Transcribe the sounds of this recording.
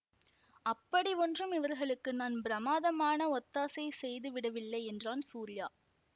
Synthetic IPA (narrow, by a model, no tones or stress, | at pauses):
ɐpːɐɽiɔndrɯmɪʋɐɾɣɐɭɯkːɯnaːnbɪɾɐmaːðɐmaːnɐɔt̪ːaːsɐɪsɛjðɯʋɪɽɐʋɪɭːɐɪɛndraːnsuːɾɪjaː